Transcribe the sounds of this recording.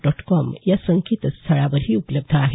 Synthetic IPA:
ɖɔʈkɔmjasəŋkit̪st̪ʰəɭaʋəɾɦiːupləb̚d̪ʱəaɦe

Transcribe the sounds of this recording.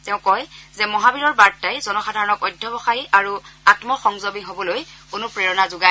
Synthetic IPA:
teʊ̃kɔjzɛmɔɦabiɹɔɹbaɹtːajzɔnɔxadʱaɹɔnɔkɔjdʱjɔbɔxajiʔaɹuatmɔxɔŋzobiɦobɔlojkʊnupɹeɹɔnazʊɡa

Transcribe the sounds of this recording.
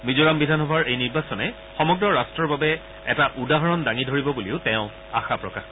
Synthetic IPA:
mizoɹambidʱanɦɔbʱaɹejniɹbasɔnɛ | xɔmɔɡɹɔɹastɹɔɹbabɛ | ɛtaʔudaɦɔɹɔndaŋidʱoɹibɔbuliʊtɛʊ̃ | a̰xapɹɔkax

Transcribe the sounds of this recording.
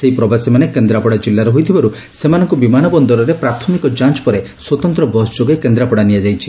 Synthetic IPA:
seɦipɾɔbasimanekend̪ɾapɔɽad͡ʒilːaɾɔɦojt̪ʰibaɾu | semanɔŋkubimanɔbɔnd̪ɔɾɔɾepɾat̪ʰɔmikɔd͡ʒant͡ʃɔ̥pɔɾe | swɔt̪ɔnt̪ɾɔbɔsd͡ʒoɡjkend̪ɾapɔɽanijad͡ʒajt͡ʃʰi

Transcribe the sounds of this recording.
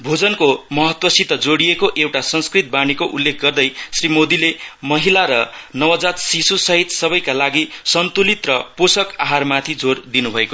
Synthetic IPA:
bʱod͡zʌnkomʌɦʌt̪wʌsit̪ʌd͡zoɽiekoʔewʈasʌŋskrit̪̚banikoʔulːek̚ʰɡʌrd̪ʌjsrimod̪ilemʌɦilaɾʌnʌwad͡zat̪sisusʌɦit̪sʌbʌjkalaɡisʌnt̪ulit̪rʌposʌka̰ɦarmat̪ʰid͡zord̪inubʱʌeko

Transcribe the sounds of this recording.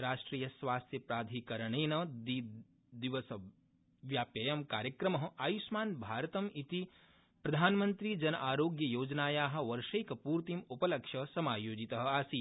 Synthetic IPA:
ɾaːʂʈɾiːjɐsʋaːst̪ʰjɐpɾaːd̪ʱikɐɾɐɳeːnɐd̪i | d̪iʋɐsɐ | ʋjaːpjɐjɐmkaːɾjɐkɾɐmɐɦɐ̆aːjusmaːnbʱaːɾɐt̪ɐmit̪i | pɾɐd̪ʱaːnmɐnt̪ɾid͡ʒɐnɐʔaːɾoːɡjɐjoːd͡ʒnaːjaːɦɐ̆ʋɐɾʂɐjkɐpuːɾt̪imupɐlɐkʂɐsɐmaːjoːd͡ʒit̪ɐɦɐ̆aːsi

